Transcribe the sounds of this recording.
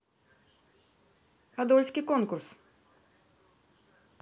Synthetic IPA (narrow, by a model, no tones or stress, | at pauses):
ad̪ɔlʲsʲkʲikɔnkʊɾs